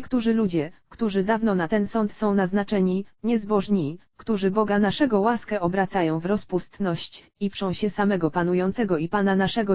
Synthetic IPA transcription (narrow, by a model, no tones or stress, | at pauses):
kt̪uʐɘlud͡ʑɛkt̪uʐɘd̪avnɔnat̪ɛnsɔnt̪sɔ̃w̃naznat͡ʂɛɲiɲɛzbɔʐɲikt̪uʐɘbɔɡanaʂɛɡɔwaskɛʔɔbɾat̪sajɔ̃w̃vɾɔspust̪nɔɕt͡ɕ | ipʂɔ̃w̃ɕɛsamɛɡɔpanujɔnt̪sɛɡɔipananaʂɛɡɔ